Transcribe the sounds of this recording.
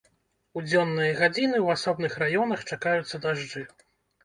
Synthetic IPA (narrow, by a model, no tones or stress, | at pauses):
ud͡zʲɔnːɨjɐɣad͡zʲinɨwasɔbnɨxrajɔnɐxt͡ʂakajut̪sːɐd̪aʐd͡ʐɨ